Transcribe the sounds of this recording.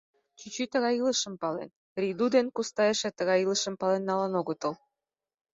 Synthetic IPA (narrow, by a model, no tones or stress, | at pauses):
t͡ɕyt͡ɕyt̪əɣɑjiləʃə̆mpɑlḛn | rʲid̪ud̪enkust̪ɑjeʃĕt̪əɣɑjɯləʃə̆mpɑlenːɑlɑnoɣət̪ə̆l